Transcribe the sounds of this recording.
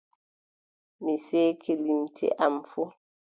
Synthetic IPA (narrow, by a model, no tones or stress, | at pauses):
miseːkʰelimtʰḛʔamfu